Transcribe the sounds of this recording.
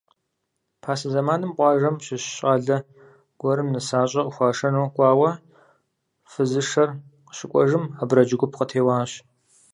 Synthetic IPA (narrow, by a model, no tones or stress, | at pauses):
pʰaːsɐzɐmaːnɨmqʷʼɑːʒɐmɕɪɕɕʼaːɮɐ | ɡ̥ʷɔɾɨmnɨsaːɕʼɐʔʼʊxʷɑːʂɐnoːkʷʼɑːwɐ | fɨzɨʂɐrqəɕɪkʷʼɔʒɨmɐbɾɐd͡ʒɪɡʷʊpʰqətʰeːwɑːɕ